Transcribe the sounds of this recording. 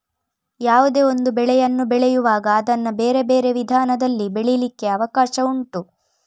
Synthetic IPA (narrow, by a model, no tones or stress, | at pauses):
jaːʋud̪e̞o̞nd̪ubɛɭɛjɐnːubɛɭɛjuʋaːɡɐːd̪ɐnːɐbe̞ːɾe̞be̞ːɾe̞ʋid̪ʱaːnɐd̪ɐlːibeɭilikːe̞ɐʋɐkaːʃɐuɳʈu